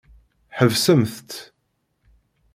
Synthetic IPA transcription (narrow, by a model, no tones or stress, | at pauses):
ħəvsəmθt̪